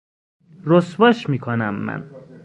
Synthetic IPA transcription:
ɾosbɒʃmiːkʰonæmːæ̰n

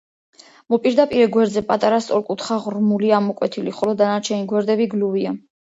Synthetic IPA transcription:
mɔpʼiɾd̪apʼiɾɛɡwɛɾd̪zɛpʼat̪ʼaɾast̪sʼɔɾkʼut̪ʰχaʁɾmuliamɔkʼwɛt̪ʰiliχɔlɔd̪anaɾt͡ʃʰɛniɡwɛɾd̪ɛbiɡluvia

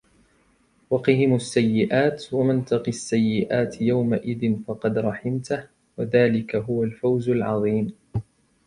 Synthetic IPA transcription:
wɑqɨɦɪmʊsːajːɪʔaːt̪wamant̪ɑqiasːajːɪʔaːt̪jawmaʔɪðɪnfɑqɑd̪ɾˤɑħɪmt̪ah | waðaːlɪkaɦʊwalfawzalʕɑðˤiːm

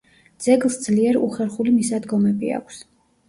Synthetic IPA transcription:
d̪z̥ɛɡlˠsd̪zliɛɾṵχɛɾχulimisad̪ɡɔmɛbḭa̰kʷʰs

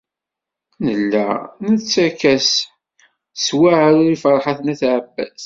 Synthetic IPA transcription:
nəlːæ̰nət͡sːækːæs | swaʕɾʊɾifəɾˤħaθnæθʕəbːæ̰z

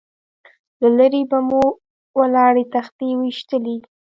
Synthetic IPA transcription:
lalaɾebamu | wəlɑɽet̪axt̪ewiʃt̪əli

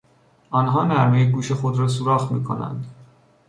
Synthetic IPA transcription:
ɒːnɦɒːnæɾmejeɡuːʃe̞xo̞d̪ɾɒːs̬uɾɒːxmḭːkʰo̞̰næ̰nd̪

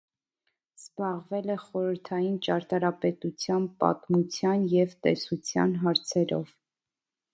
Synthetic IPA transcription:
z̥bɑʁvɛlɛχɔɾəɾt̪ʰɑjint͡ʃɑɾt̪ɑɾɑpɛt̪ut͡sʰjɑnpɑ̰t̪mut͡sʰjɑnjɛvt̪ɛsut͡sʰjɑ̰nɦɑɾt͡sʰɛɾɔ̰v̥

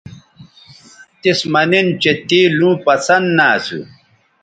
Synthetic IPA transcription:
t̪ismɐnint͡ɕet̪ilũːpɐsɐnd̪naːsṵ

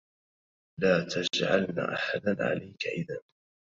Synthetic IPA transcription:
laːt̪ʰad͡ʒʕa̰lna̰ːʔaħad̪anʕa̰lʔajkaʔɪðan

